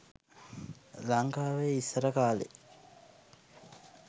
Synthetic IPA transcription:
laŋkaːʋeːisɐɾəkaːlḛ

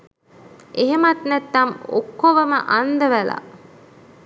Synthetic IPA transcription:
ʔeɦemɐt̪næt̪ːɐmo̰kːoʋɐmə̰ʔand̪ɐʋæla̰

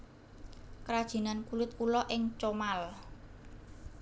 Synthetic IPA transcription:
kɾad̥ʒ̥i̤nankulɪt̪̚kulɔʔɪŋt͡ʃomal

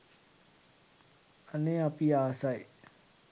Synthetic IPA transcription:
ənɪ̃apiasaj

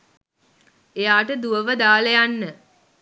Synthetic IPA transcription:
ejaːʈəd̪uʋəʋəd̪aːlejanːə

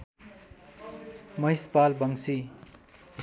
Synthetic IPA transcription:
mʌjspalbʌŋsi

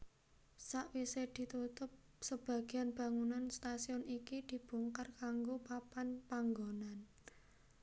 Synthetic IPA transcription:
saʔwised̪̥i̤t̪ut̪ʊp̚ | səb̥a̤ɡ̥e̤anb̥a̤ŋunanst̪asiɔnikid̪̥i̤b̥uŋkarkaŋɡopapanpaŋɡonan

